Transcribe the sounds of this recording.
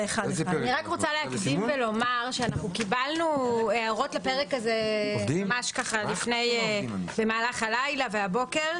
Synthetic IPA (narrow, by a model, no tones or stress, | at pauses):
eχadniʁakʁot͡saleakd̪imvelo̞maʁʃeanaχukibalnueaʁo̞tlapeʁekazed̪imamaʃkaχalifnejbe̞maːlaχalajlaveabo̞ke̞ʁ